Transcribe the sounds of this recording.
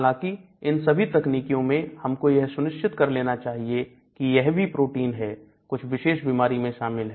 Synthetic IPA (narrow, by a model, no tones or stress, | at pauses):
lãki | ɪnsɐbʱit̪ɐkniːkijõmẽhɐmkojɛɦsʊnɪʃt͡ʃɪt̪kɐɾleːnat͡ʃaːɦie | kijɛɦbʱipɾoːʈiːnɦɛ | kʊt͡ʃʰʋɪʃeːʃbiːmaːɾimẽʃaːmɪlɦɛ